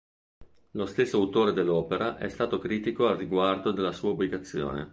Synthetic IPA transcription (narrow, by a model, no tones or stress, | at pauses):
lost̪esːoawt̪oːɾed̪elːɔːpeɾaʔɛ̰st̪aːt̪okɾiːt̪ikoalrːiɡward̪od̪elːasuːaubliɡat̪sːjo̰ːnḛ